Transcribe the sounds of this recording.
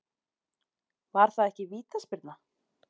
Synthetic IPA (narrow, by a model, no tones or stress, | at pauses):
vaɾ̥θaðɛhcɪviːt̪aspɪɾt̪na